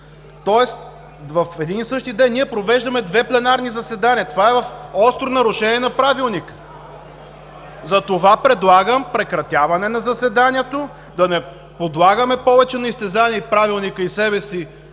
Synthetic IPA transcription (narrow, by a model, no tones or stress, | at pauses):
t̪ɔɛst̪ | vɐfɛd̪inisɤʃt̪id̪ɛnːiɛpɾovɛʒd̪ɐmɛd̪vɛplɛnaɾnizɐsɛd̪anʲiɐt̪ovaɛvɐfɔst̪ɾʊnɐɾʊʃɛniɛnɐpɾavilˠnik | zɐt̪ovapɾɛd̪lˠaɡəmpɾɛkɾɐt̪ʲjavɐnɛnɐzɐsɛd̪anʲiɛt̪o | d̪ɐnɛ | pod̪lˠaɡəmɛpɔvɛt͡ʃɛnɐist̪ɛzaniɛipɾavilˠnikəisɛbɛsi